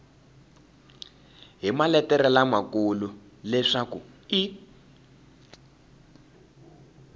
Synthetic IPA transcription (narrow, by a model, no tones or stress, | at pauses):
ɦimalɛtɛɾɛlamakulu | lɛʂakui